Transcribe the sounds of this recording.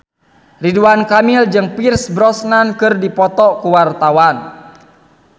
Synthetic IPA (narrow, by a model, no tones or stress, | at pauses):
riduankamild͡ʒɨŋpirsbɾɔsnankɨrdipɔt̪ɔkuwart̪awan